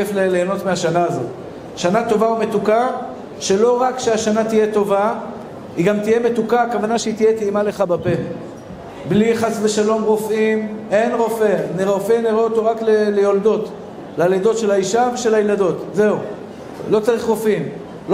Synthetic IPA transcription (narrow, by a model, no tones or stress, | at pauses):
efleleːno̞t̪meaʃanaːzo̞̰t | ʃanat̪o̞vaumet̪uka | ʃe̞lo̞ʁakʃeaʃanat̪ije̞t̪o̞va | iɡamt̪ije̞me̞t̪ukaːkavanaʃeit̪ijet̪iimale̞χabape̞ | bliχasveʃalo̞mʁo̞fʔime̞nʁo̞fe̞niʁeofemniʁeot̪o̞ʁaklelejold̪o̞t | laled̪o̞tʃe̞laiʃaveʃe̞lajlado̞tze̞u | lo̞t͡saʁiχʁo̞fim | l